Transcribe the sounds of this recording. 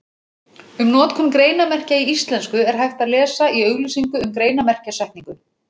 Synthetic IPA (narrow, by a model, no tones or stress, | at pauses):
ʏmnɔːt̪kʰʏnkɾeːjnamɛr̥caiist̪lɛnskʏɛɾ̥ɦajft̪aðlɛːsaiœːɥɣlisiŋkʏʏmkɾeːjnamɛr̥casɛjhkniŋkʏ